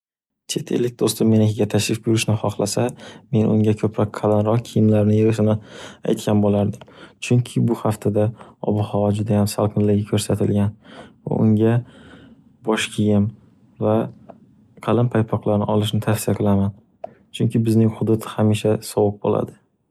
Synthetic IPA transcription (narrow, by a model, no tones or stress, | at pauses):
t͡ʃʰe̞t̪ʰe̞̰lːɪk̚ʲd̪ost̪ɪmːe̞nɪkʰʲɪɡʲat̪ʰaʃɾɪfbjʊɾɪʃnɪχɒχlˠasame̞nʊ̰ŋɡʲakʰɵpʰɾɒk̚ʲqʰɑlanɾɒqkʲʰijɪmlaɾnɪjɪɾɪʃ̬ɪnɪa̰jt̪kʲʰanbolaɾd̪ɪmt͡ʃʰʊŋkʲʰɪbʊhaft̪ʰad̪aɒ̰bɨhɒvad͡ʒʊd̪ajamsalˠqʰɨnlːɪɡʲɪkʲʰɵɾsat̪ʰɪlɡʲanva̰ʔʊ̰ŋɡʲa | bɒʃkʲʰijɪm | va | qʰɑlɪmpʰajpʰɒqlˠaɾnɪʔɒlˠɪʃ̬nɪt̪ʰafsɪjaqʰɨlaman | t͡ʃʰʊŋkʲʰɪbɪznɪŋhʊd̪ʊt̪ʰhamiʃasɒwɨq̚bo̰la̰d̪ɪ